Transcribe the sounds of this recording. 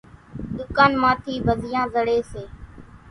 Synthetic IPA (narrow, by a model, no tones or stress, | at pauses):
ɗ̪ʊkaːnmãːt̪ʰiːʋəzɪjãːzəɽeːseː